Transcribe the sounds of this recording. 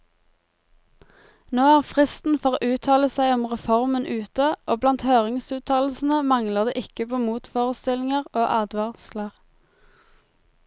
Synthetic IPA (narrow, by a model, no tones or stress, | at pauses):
noːæːʁfʁɪst̪n̩fɔːʁoːʔʉːt̪ʰɑːləsæɪɔmʁɛfɔʁmənʔʉːt̪əʔoːblɑnt̪høːʁɪŋsʉːt̪ʰɑːll̩sn̩əmɑŋləʁd̪ḛːʔɪkəpʰoːmuːt̪foːʁəst̪ɪlɪŋəʁoːʔɑːd̪ʋɑʁsləʁ